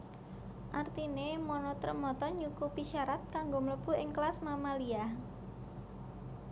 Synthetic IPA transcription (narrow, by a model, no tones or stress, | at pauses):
ʔart̪inemɔnɔt̪rə̰mɔt̪ɔɲukupiʃaɾat̪̚kaŋɡomələb̥uɪŋklasmamaliah